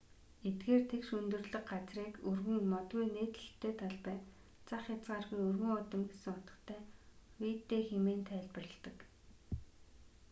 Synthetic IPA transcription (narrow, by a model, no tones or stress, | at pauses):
et̪ɡeːrt̪ʰekʃɵnt̪ɵ̆rɮɵ̆kɢat͡sriːkɵrɣɵ̆ŋmɔt̪ɣujneːt̪ə̥̆ɬt̪ʰːeːt̪ʰaɮpæːn | t͡sʰaχjat͡sɢaːrɣujɵrɣɵ̆ŋɔt̪ə̆mɡesɘ̆ŋʊt̪ə̆t̪ʰæːwiːt̪ːeːxemeːnt̪ʰæːɮpə̆rə̆ɮt̪ə̆k